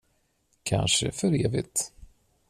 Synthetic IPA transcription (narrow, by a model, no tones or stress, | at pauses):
kʰa̰nʂə̰fœɾeːvɪt̪